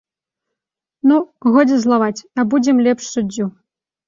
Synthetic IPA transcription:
nuɣɔdd͡zʲɛzlˠavat͡sʲɐbud͡zʲɛmlʲɛpʂsud͡zʲːu

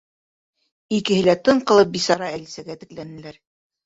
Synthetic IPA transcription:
ikɘ̆hɘ̆læt̪ɤɴqɤ̆lˠɤp̚bisɑɾɑælisæɡæt̪ɘ̆klænɘ̆læɾ

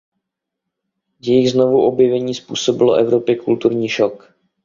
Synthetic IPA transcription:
jɛjɪɣznovuʔo̞bjɛvɛɲiːspṵːso̞bɪloʔɛvɾo̞pjɪkult̪uɾɲiːʃok

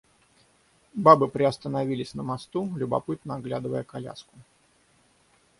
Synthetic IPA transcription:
babɨpɾʲɪɐst̪ənɐvʲilʲɪsʲnəmɐst̪ulʲʊbɐ̰pɨt̪̚nəɐɡlʲad̪ɨvəjəkɐlʲa̰skʊ

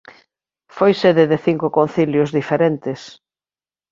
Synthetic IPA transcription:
fojseðeðeθiŋkʊkon̟θiljʊzðifeɾent̪ɪs

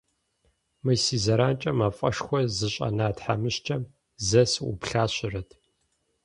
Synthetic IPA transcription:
mɨjsiːzɐɾaːnt͡ʃʼɐmaːfʼɐ̰ʂxʷɔzɨɕʼɐ̰naːtħamɨɕt͡ʃʰʼɐm | zɐsṵpɬaːɕɪrɐtʰ

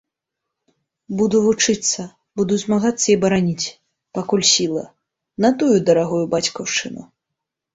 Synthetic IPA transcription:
bud̪uvut͡ʂɨt̪sːɐ | bud̪uzʲmaɣat̪sːɐibɐɾanʲit͡sʲ | pakulʲsʲilˠɐ̰ | nɐt̪ujud̪ɐɾaɣujubat͡sʲkɐwʂt͡ʂɨnṵ

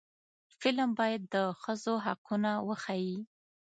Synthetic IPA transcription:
fɪlmbɑjad̪ːəxəzoɦaqunawəxaji

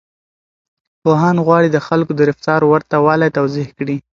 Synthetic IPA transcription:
poɦɑnɣwɑɽid̪əxalkod̪əɾɪft̪ɑɾowəɾt̪awɑlajt̪awzɪhkɽi

